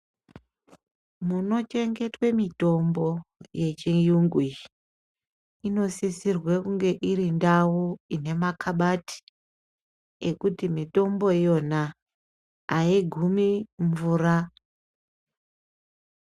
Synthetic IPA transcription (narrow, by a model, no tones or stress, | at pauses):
muno̞t͡ʃe̞ŋɡe̞twe̞mito̞mbo̞je̞t͡ʃijuŋɡwi | ino̞sisirwekuŋɡe̞ʔiɾindawuine̞makaɓati̥ | ekutimito̞mbo̞jo̞naː | iɡʱumiɱvuːra